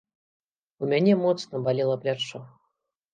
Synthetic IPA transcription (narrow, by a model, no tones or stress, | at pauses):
umʲanʲɛmɔt̪snɐbalʲilˠɐplʲat͡ʂɔ